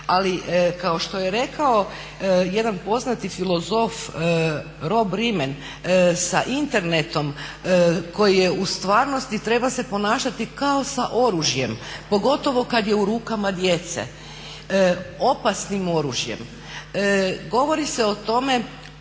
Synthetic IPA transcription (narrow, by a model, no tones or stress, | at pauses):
alikao̞ʃt̪o̞jeɾe̞kao̞ | je̞d̪anpo̞znat̪ifilˠo̞zo̞f | ɾo̞bɾimen | saʔint̪e̞ɾne̞t̪o̞m | ko̞jije̞ust̪ʋaːɾno̞st̪it̪ɾe̞base̞po̞naːʃat̪ikao̞saʔo̞ɾuʒje̞mpo̞ɡo̞t̪o̞ʋo̞kad̪je̞uɾuːkamad̪je̞t̪sḛ | o̞pasnimo̞ɾṵʒje̞̰m | ɡo̞ʋo̞ɾiseot̪o̞me̞